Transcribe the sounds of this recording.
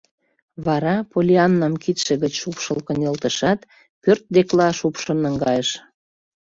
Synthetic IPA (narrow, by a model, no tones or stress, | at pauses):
βɑɾɑpolʲiɑnːɑmkit̪ʃĕɣət͡ɕʃupʃɤlkə̆nʲelt̪əʃɑt̪ | pørt̪̚d̪eklɑʃupʃŏnəŋɡɑjəʃ